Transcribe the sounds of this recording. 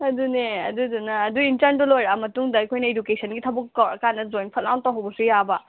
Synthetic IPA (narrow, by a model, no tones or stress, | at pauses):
ɐduneɐ̰dudunɐːduintɐɾndulojɾamɐtuŋdɐːjkʰojnɐedukesʰɐnɡitʰɐbukːɐwɾɐkʰanːɐzojnpʰɐt̚lawntawɦɐwbɐsujabɐ